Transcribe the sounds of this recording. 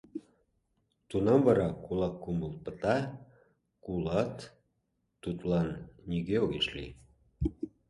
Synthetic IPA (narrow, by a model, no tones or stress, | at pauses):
t̪unɑmvɑɾɑkulɑkːuməlˠpə̆t̪ɑ | kulɑt̪ː | ut̪lɑnːʲiɣeoɣeʃlḭ